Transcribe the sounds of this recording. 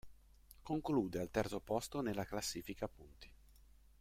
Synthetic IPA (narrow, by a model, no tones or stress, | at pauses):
koŋkluːd̪ealt̪ɛrt̪sopɔst̪onelːaklasːiːfikapunt̪i̥